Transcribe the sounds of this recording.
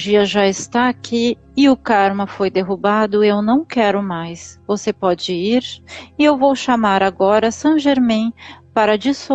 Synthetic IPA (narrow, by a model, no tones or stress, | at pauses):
d͡ʒiɐʒaɪst̪aːkʰi | ɪʊkaɾmɐfojd̪eɦubad̪ʊewnɐ̃w̃kɛɾʊmajsvosepɔd͡ʒɪiɾɪewvowʃamaɾaɡɔɾɐsɐ̃ʒeɾmĩpaɾɐd͡ʒiso